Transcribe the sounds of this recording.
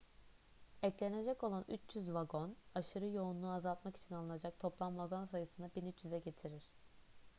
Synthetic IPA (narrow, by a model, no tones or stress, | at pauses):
ɛclʲene̞d͡ʒɛco̞lˠany̰t͡ʃjyzvaɡo̞naʃɯɾɯjo̞unˠuazalˠt̪maki̥t͡ʃʰinalˠɯnad͡ʒak̚t̪ʰo̞plˠamvaɡo̞nsajɯsɯnabinyt͡ʃjyzɛɟe̞t̪ʰiɾiɾ̥